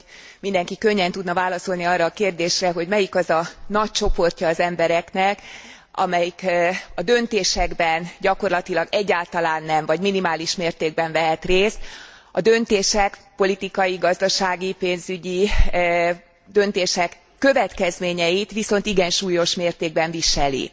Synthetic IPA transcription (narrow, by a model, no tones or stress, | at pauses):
mind̪ɛŋkikøɲːɛnt̪ud̪nɒvaːlɒso̞lniɒːrːɒːkeːrd̪eːʃrɛɦo̞ɟmɛjikɒzɒnɒc̚t͡ʃo̞po̞rcɒːzɛmbɛɾɛknɛk | ɒ̰mɛjikɒd̪ø̞nt̪eːʃɛɡbɛnɟɒko̞rlɒt̪ilɒɡɛɟːaːlt̪ɒlaːnːɛɱvɒɟminimaːliʃmeːrt̪eːɡ̚bɛɱvɛɦɛt̪reːst̪ | ɒd̪ø̞nt̪eːʃɛkpo̞lit̪ikɒjiɡɒzd̪ɒʃaːɡipeːnzyɟi | d̪ø̞nt̪eːʃɛkːø̞vɛt̪kɛzmeːɲɛjit̪ʋiso̞n̪t̪iɡɛnʃuːjo̞ʃmeːrt̪eːɡ̚bɛɱviʃɛlḭ